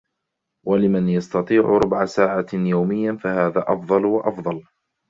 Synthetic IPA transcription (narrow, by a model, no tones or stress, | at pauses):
walɪmanjɑst̪ɑt̪ˤiːʕʊ̰ɾˤʊbʕasaːʕajawmɪjːafahaːðaːʔɑfðˤɑlwaʔɑfðˤɑl